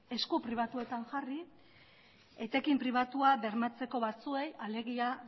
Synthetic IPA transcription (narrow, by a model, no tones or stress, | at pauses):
e̞skupɾiβ̞at̪ue̞t̪aŋʝari | et̪e̞kimpɾiβ̞at̪uaβe̞ɾmat͡se̞ko̞βat͡sue̞jale̞ɣia